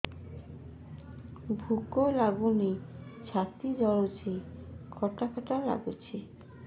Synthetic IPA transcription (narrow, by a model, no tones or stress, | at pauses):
bʱukolaɡunit͡ɕʰat̪id͡ʑɔɭot͡ɕekʰɔʈakʰɔʈala̰ɡut͡ɕʰe